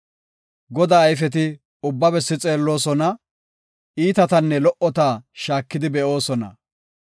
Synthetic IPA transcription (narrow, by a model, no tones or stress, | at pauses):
ɡɔd̪aːjfɛt̪ɪ | ʊbːɐbɛsːɪt͡sʼe̞ːlːo̞ːsɔnɐ | iːt̪ɐt̪ɐnːɛlɔʔɔt̪aːʃaːkːɪd̪ɪbɛʔo̞ːsɔnɐ̰